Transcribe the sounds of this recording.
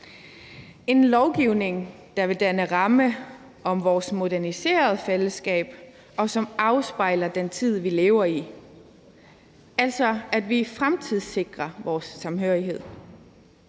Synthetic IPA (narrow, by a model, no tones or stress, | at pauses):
e̝nlɒʊɡ̥iʊne̝ŋ | d̥ɑ̈ʋe̝d̥ænəʁɑ̈mə | ɒ̽mʋɒːsmo̝d̥æɐnise̝̰ːɐð̞̩ˠfeləsɡ̥ɛ̰ːb̥ | ɒ̽sɒ̽mɑ̈ʊsb̥ɑ̈ɪ̰lɐd̥ent͡sʰið̞̰ˠʋile̝ːʊɐi | æl̰sɒ̽æd̥ʋifʁamt͡sʰið̰ˠse̝ɡ̥ʁɐʋɒːsːɑ̈mɦøɐ̰iɦe̝ð̰ˠ